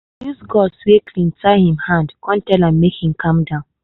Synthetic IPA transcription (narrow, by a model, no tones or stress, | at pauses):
jusɡɔswekʰlĩntaɪhĩmhãndkɔ̃ntɛlãmːekhĩmkʰãmdãʊ̃n